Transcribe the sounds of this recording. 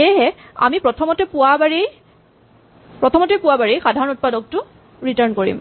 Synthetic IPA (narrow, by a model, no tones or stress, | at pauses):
eɦɛa̰mipɹɔtʰɔmɔtɛpʊwabaɹej | pɹɔtʰɔmɔtɛpʊwabaɹejxadʱaɹɔnut̚padɔk̚tʊ | ɹitaɹnkoɹḭm